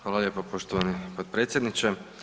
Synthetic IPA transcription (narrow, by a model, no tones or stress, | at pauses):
xʋaːlˠaʎeːpopoʃt̪oʋanipod̪̚pɾet̪sjed̪nit͡ʃe